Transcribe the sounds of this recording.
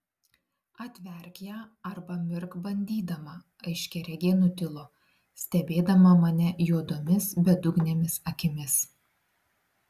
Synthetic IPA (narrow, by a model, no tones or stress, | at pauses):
ɐt̪ʲʋʲɛɾʲkʲjɛɐɾbɐmʲɪɾkbɐnʲd̪ʲiːd̪ɐmɐ | ɐɪʃʲkʲɛɾʲɛɡʲeːnʊt̪ʲɪlˠoː | sʲt̪ʲɛbʲeːd̪ɐmɐmɐnʲɛjuɔd̪oːmʲɪsbʲɛd̪ʊɡnʲemʲɪsɐkʲɪmʲɪs